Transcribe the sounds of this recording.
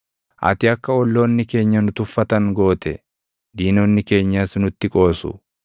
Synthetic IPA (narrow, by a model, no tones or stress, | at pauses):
ʔɐ̰t̪ɪɐkːɐɔlːo̞ːnːɪke̞ːɲːɐnʊt̪ʊfːɐt̪ɐŋɡo̞ːt̪ɛ | d̪iːnoːnːɪke̞ːɲːaːsnʊt̪ːɪkʼo̞ːsʊ̰